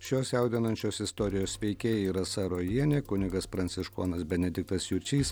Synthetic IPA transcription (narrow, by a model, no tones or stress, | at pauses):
ʃʲoːsʲjɛʊd̪ʲɪnɐnʲt͡ʃʲoːsɪst̪oɾʲɪjoːsʋʲɛɪkʲeːjɛiːɾɐsɑɾoːjiɛnʲeːkʊnʲɪɡɐspɾɐnʲt̪sʲɪʃkoːnɐsbʲɛnʲɛd̪ʲɪk̚t̪ɐsjʊɾʲt͡ʃʲiːs